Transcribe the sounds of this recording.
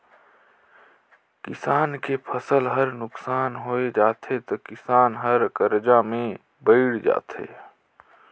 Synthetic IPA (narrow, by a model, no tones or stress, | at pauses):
kɪsaːnkepʰəsəlɦəɾnʊksaːnɦoːed͡ʒaːt̪ʰet̪okɪsaːnɦəɾkəɾd͡ʒamẽ | bəɪɽd͡ʒa̰ːt̪ḛː